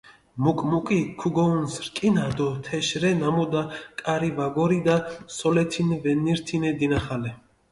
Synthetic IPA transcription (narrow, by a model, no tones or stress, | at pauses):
mukʼmukʼikʰuɡɔunsɾkʼinad̪ɔt̪ʰɛʃɾɛnamud̪akʼaɾivaɡɔɾid̪asɔlɛt̪ʰinvɛnːiɾt̪ʰinɛd̪inaχalɛ